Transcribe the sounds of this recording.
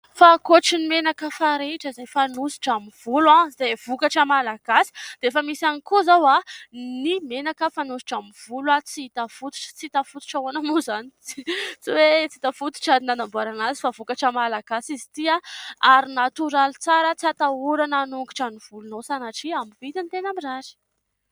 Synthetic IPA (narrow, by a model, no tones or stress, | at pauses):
fakoʈ͡ʂinimenakəfaɾeʈ͡ʂəizajfanusi̥ʈ͡ʂamiv̥ulwãizajv̥ukaʈ͡ʂəmalaɡ̥asi̥d̪̥eefəmisanikuzawanimenakəfanusi̥ʈ͡ʂamiv̥ulwat͡siit̪afut̪u̥ʈ͡ʂə̥t͡sit̪afut̪u̥ʈ͡ʂawanamuzanit͡st͡siwet͡sit̪afut̪u̥ʈ͡ʂad̪inanambuaɾanazi̥favukaʈ͡ʂamalaɡ̥asizi̥t̪iaaɾinat̪uɾalit͡saɾət͡siat̪auɾananuŋki̥ʈ͡ʂaniv̥ulunowsanaʈ͡ʂiamivit̪int̪enamiraɾi̥